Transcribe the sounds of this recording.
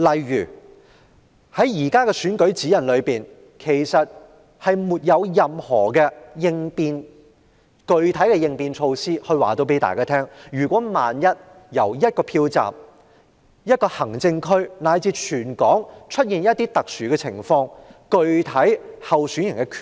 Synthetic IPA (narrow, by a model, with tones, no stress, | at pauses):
lɐ˨jɥyː˨˩ | hɐ˨˥jjiː˨˩kaː˥kɛ˧syː˨˥nkɵ˨˥ɥt͡siː˨˥jɐ˨˩nlɵ˨˧ɥpiː˨n | kʰe˨˩jsɐ˨t̚ | hɐ˨jmuː˨t̚jɐ˨˧wjɐ˨mhɔː˨˩kɛː˧jɪ˧ŋpiː˧n | kɵ˨˧ɥt̪ʰɐ˨˥jkɛ˧jɪ˧ŋpiː˧nt͡ʃʰo˧wsiː˥hɵ˧ɥwa̰ː˨˩t̪o˧wp̬e˨˥t̪a̰ː˨jkaː˥t̪ʰɛː˥ŋjyː˨˩kʷɔː˨˥maː˨njɐ˥t̚ | jɐ˨˩wjɐ˥t̚kɔː˧pʰiː˧wt͡sa̰ː˨p̚ | jɐ˥t̚kɔː˧hɐ˨˩ŋt͡sɪ˧ŋkʰɵ˥ɥnaː˨˧jt͡siː˧t͡ʃʰyː˨˩nkɔː˨˥ŋt͡ʃʰɵ˥t̚jiː˨˧njɐ˥t̪iː˥t̪ɐ˨k̚syː˨kɛː˧t͡sʰɪ̰˨˩ŋfɔː˧ŋkɵ˨˧ɥt̪ʰɐ˨˥jhɐ˨wsyː˨˥njɪ˨˩ŋkɛ˧kʰː